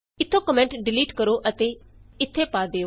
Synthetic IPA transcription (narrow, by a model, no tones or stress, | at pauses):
ɪt̪ʰːõːkəmɛ̃ɳʈɖɪliːʈkəɾoːʔət̪eːɪt̪ʰːeːpaːd̪eːo